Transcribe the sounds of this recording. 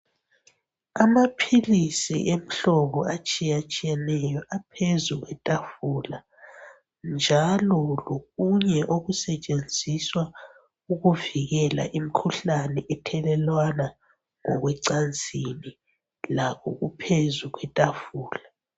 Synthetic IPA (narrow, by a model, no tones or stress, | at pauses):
amapʰilisḭʔem̩ɬɔɣɔat͡ʃʼijat͡ʃʼijɛnɛjɔʔapʰezuɣwɛtʼafula | nd͡ʒʱalɔloɣuɲɛʔoɣusɛt͡ʃʼend͡zʱiswa | uɣuviɣɛla̰ʔim̩kʰuɬanɛʔɛtʰɛlɛlwana | ŋɔɣwɛǀand͡zʱini | lakʰɔ̰ɣupʰezuɣwɛtʼafuːla